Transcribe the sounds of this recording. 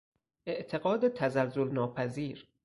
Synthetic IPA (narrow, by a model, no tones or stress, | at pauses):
ʔe̞ʔt̪ʰe̞ɣɒːd̪et̪ʰæzælzolnɒːpʰæziːɾ